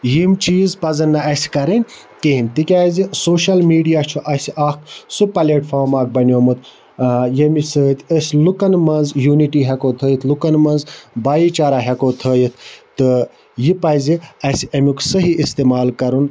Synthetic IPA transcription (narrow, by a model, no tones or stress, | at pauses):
jimt͡ʃiːzpɐzɐnːɐʔɐsʲkɐɾɐnʲ | keɦinʲt̪ikʲaːzisoːʃɐlmiːɖijaːt͡ʃʰuʔɐsʔaksupɐlʲeːʈfoːɾmaːk̚bɐnʲoːmɨt̪ | jɐmisət̪ʰəsʲlukɐnmɐnzjuːniʈiːɦɛkot̪ʰəːjit̪ʰlukɐnmɐnzbaːjiːt͡ʃaːɾaːɦʲekoːt̪ʰəːjit̪ʰt̪ɨ | jipɐjziɐsʲɐmʲuksɨɦiʔist̪eːmaːlkɐɾun